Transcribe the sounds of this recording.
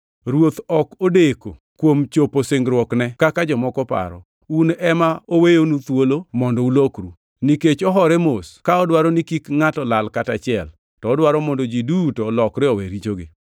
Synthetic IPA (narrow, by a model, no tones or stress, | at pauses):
ɾwot̪ɔkodeko̰ | kwomt͡ʃoposeŋɡɾwɔknɛkakad͡ʒɔmɔkɔpa̰ɾɔ̰ | unɛmaowejonut̪wolomɔndɔulokɾu | niket͡ʃɔɦɔɾɛmoskaɔdwaɾɔnikikŋatɔlalkatat͡ʃɪɛl | tɔːdwaɾɔmɔndɔd͡ʒidutɔlɔkɾɪɔweɾit͡ʃoɡɪ̰